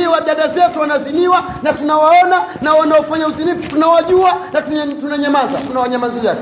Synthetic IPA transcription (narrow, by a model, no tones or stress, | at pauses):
iwaɗaɗazɛtuwanaziniwa | natunawaɔnanawanaɔfaɲauzinifutunawaʄuanattunaɲamaza̰tunawaɲamazid͡ʒak